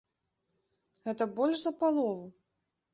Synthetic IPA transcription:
ɣɛt̪ɐbɔlʲʂzɐpalˠɔvu

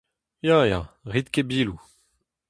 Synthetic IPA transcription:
jaja̰ʁit̪kebiːlu

